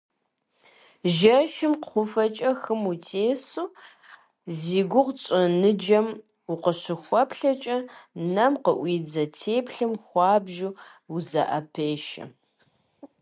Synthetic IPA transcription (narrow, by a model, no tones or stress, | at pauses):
ʒɐʃɪmqχʷʊfɐt͡ʃʼɐxɨmutʰeːsuː | ziːɡʷʊʁt͡ʃʼɪnɨd͡ʒɐm | uqəɕɪxʷɔpɬɐt͡ʃʼɐnɐmqəʔʷiːd͡zɐtʰeːpʰɬɨmxʷɑːbʒuuzɐ̰ʔɐpʰeːʃɐ̰